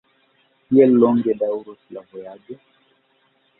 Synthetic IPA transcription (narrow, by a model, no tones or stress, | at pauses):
hiɛllɔŋɡɛɗauɾɔsilavɔjaɡɛ